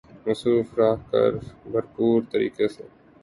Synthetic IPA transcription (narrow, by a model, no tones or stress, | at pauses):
mʊsɾuːfɾaːɦkɐ̰ɾbɐɾpuːɾt̪əɾḭːkese